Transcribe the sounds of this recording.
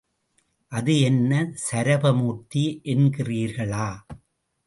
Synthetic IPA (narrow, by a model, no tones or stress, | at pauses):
ʔɐðɯɛnːɐsɐɾɐbɐmuːt̪ːiʔɛnɡɪriːɾɣɐɭaː